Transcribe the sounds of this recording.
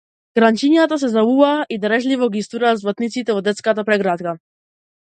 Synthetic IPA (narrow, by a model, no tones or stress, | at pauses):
ɡ̥ɾant͡ɕiɲjat̪as̬ɛzauvaʔid̪ɾɛʒlivɔɡist̪uɾazvlat̪nit̪sit̪ɛvɔd̪ɛt̪skat̪apɾɛɡɾat̪ka